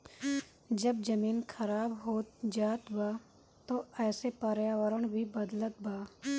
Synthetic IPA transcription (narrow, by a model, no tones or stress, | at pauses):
d͡ʒəbd͡ʒəmiːnkʰəɾaːbɦoːt̪d͡ʒaːt̪baː | t̪oɛːsepəɾjaːʋəɾəɽ̃bʱibəd̪lət̪̚baː